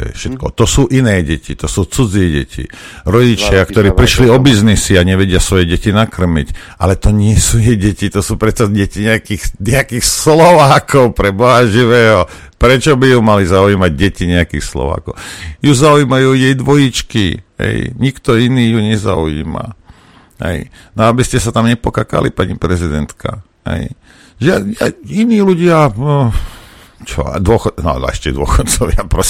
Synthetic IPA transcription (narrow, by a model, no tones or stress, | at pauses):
ɛ̰jfʃɛt̪kɔ̰t̪ɔsuːʔinɛːɟɛcḭt̪ɔsuːt͡sud͡zɪɛɟɛ̰cḭ | ɾɔɟit͡ʃɪakt̪ɔɾiːpɾiʃliɔbiznisiaɲɛʋɛɟɪasʋɔjɛɟɛcinakr̩mḭc | ʔa̰lɛt̪ɔɲɪɛsuːjɛjɟɛcit̪ɔsuːpɾɛt̪t͡saɟɛciɲɛakiːxɲɛakiːxslɔʋaːkʰɔʊpɾɛbɔɦaʒiʋɛːɦɔ | pɾɛt͡ʃɔbijumalizaujiːmaɟ̚ɟɛciɲɛakiːxslɔ̰ʋa̰ːkɔ̰ʊjuzaujmajuːjɛjd̪ʋɔjit͡ʃkḭɦɛ̰jɲikt̪ɔiniːjuɲɛza̰ujḭːma̰ | ɦɛ̰j | nɔabiscɛsat̪amɲɛpɔkaka̰lḭpaɲipɾɛzid̪ɛnt̪kʰa̰ | hɛ̰j | ʒaainiːluɟɪa | t͡ʃɔ̰a̰d̪ʊɔxɔnɔ̰n̰ɛ̰ʃcɛd̪ʊɔxɔt̪̚t͡sɔʋɪapɾɔ